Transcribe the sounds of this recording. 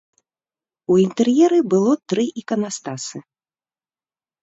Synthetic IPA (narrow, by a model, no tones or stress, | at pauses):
uint̪ɛrjɛɾɨbɨlˠɔt̪ɾɨʔikɐnast̪asɨ